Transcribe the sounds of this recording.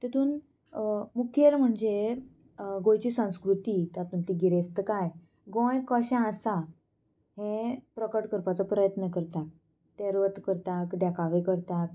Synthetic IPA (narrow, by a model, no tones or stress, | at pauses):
t̪et̪uːn | mukʰjelm̤əɳd͡ze | ɡojt͡ɕiːsə̃w̃skɾut̪iːt̪at̪uːnt̪iɡiɾest̪əkaj | ɡɔ̃jkəɕãəsa | hẽpɾəkəʈkəɾpat͡sɔpɾəjət̪nəkəɾt̪ak̚ | t̪eɾʋət̪kəɾt̪akd̪jakʰaʋekəɾt̪ak